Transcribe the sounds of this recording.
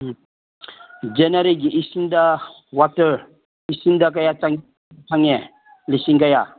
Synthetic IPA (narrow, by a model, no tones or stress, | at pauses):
d͡ʒɛnaɾeɡiʔisinda | watə | isindak̬ajataŋtaŋɛ | lisiŋɡaja